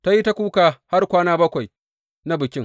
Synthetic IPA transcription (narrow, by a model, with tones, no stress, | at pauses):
ta˦ji˦ta˦kʷuː˦ka˨ha˦rkʷaː˦naː˦bɐ˦kʷa˨j | na˦bɪ˨kʲɪ˦ŋ